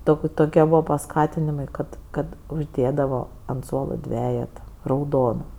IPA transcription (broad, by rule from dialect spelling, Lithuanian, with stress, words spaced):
ˈtoːkʲ ˈtoːkʲiɛ ˈbuːʋɐ pɐˈskɑːtʲɪnʲɪmɐɪ ˈkɐt ˈkɐt ʊʒʲˈdʲeːdɐʋoː ɐnt ˈsuɔlˠoː ˈdʲʋʲæːjɛtɐ rɐʊˈdoːnɐ